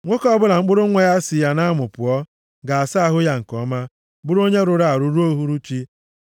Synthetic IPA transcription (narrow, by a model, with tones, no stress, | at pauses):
ŋʷo˦kɔ˦bʊ˦la˨ŋ͡m̩˦k͡pʊ˦ɾʊ˦ŋʷe˦ja˦sɪ˨ja˦na˦mʊ˨pʊ˨ɔ˦ | ɡa˨a˨sa˦a˦ɦʊ˦ja˦ŋ̩˨kɔ˨˦ma˦ | ɡ͡bʊ˦ɾo˦ɲe˦ɾʊ˨ɾa˨a˨ɾu˦ɾu˦o˦ɦu˦ɾu˦t͡ʃi˦